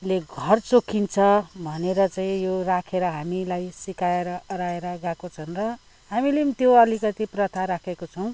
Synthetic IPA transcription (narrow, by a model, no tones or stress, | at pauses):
leɡʱʌrt͡sokʰːint͡sʰʌbʱʌneɾʌt͡saĩjorakʰeɾʌɦamilajsikaeɾʌʌɾaeɾʌɡãkot͡sʰʌnrʌ | ɦamilet̪joʌlikʌt̪iprʌt̪ʰaɾakʰekot͡sʰʌw̃